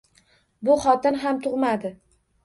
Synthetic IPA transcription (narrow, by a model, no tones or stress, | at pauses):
bʊχɒt̪ɪnɦamt̪ʰʊʁmad̪ɪ